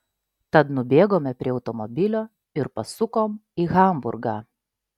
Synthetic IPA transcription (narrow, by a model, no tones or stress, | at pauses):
t̪ɐt̪nʊbʲeːɡoːmʲɛpʲɾʲiɛɒʊt̪ɔmɔbʲɪlʲoː | ɪɾpɐsʊkoːmiːɣɐˑmbʊ̰ɾɡɑː